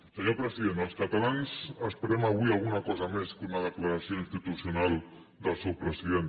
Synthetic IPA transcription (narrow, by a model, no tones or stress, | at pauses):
səɲopɾəziðend̪əlˠskat̪alansəspəɾɛmaβ̞uialˠɣunakɔzameskunaðəklaɾasjoinst̪it̪usjunalˠ | d̪əlˠsɛwpɾəsiðen